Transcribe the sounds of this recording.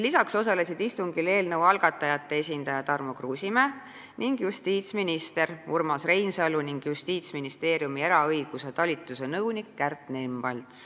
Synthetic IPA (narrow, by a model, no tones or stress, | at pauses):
lisɑkso̞sɑle̞sid̪ist̪uŋɡile̞ːlnɤwɑlɡ̥ɑt̪ːˑɑjɑt̪ːe̞esʲind̪̥ɑjɑt̪ɑrmokruːsʲime | niŋɡjust̪iːt̪sminist̪e̞ɾurmɑsre̞jnsɑluniŋɡ̥just̪iːt̪sminist̪e̞ːɾjumieɾɑɤjɡ̥use̞t̪ɑlʲit̪ˑːuse̞nɤwnikːært̪nemb̥ɑlt̪s